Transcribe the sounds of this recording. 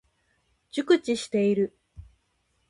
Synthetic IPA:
d͡ʑɨkɯ̟t͡ɕiɕi̥t̪e̞iɾɯ̟

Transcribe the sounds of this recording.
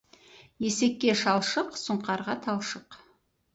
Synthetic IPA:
je̞se̞kʲːe̞ʃɑlˠʃəqsʊɴqɑɾʁɑt̪ʰɑlˠʃəq

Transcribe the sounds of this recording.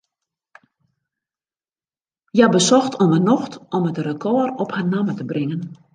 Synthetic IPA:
jabəsɔxtɔmənɔxtɔmətrəkʰɔərɔpharnamətəbrɪŋən

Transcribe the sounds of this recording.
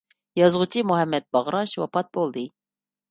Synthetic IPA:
jɑzʁʊt͡ʃʰimuɦɛmːɛt̪̚bɑʁɾɑʃwɑ̰pʰɑt̪̚bolˠd̪ɨ

